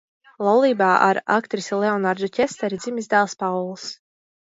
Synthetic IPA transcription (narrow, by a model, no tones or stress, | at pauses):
lˠawlˠiːbaːʔa̰ɾa̰kt̪ɾisleɔnaɾd̪ɔcʲɛst̪ɛɾid̪zʲimʲizd̪aːlˠspawlˠs